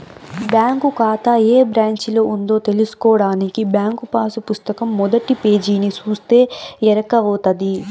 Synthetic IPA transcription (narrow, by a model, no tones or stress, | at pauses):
bjaːŋkukaːt̪ɐeːbɾaːɲt͡ʃlo̞ːund̪o̞ːt̪e̞lusu̥kɔːɽaːnikibjaːŋkupaːsupust̪ɐkɐmːɔd̪ɐʈipe̞ːd͡ʒiːnit͡ʃuːst̪e̞ːɛɾɐkːɐʋɔːt̪ɐd̪i